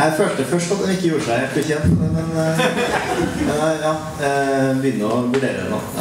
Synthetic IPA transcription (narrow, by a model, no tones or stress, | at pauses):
æɪføːlt̪əfœʂʈɑt̪̚d̪ɛnɪkːəjuːɾəʂæɪhelt̪fɪçɛnt̪mɛmɛn | jɑː | bəʏnːəɔʋʉɖḛːɾəd̪ɛ̰nːo̰ː